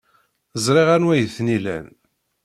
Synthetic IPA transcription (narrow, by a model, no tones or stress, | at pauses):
əzˤɾˤɪʁænwæjəθnilæ̰n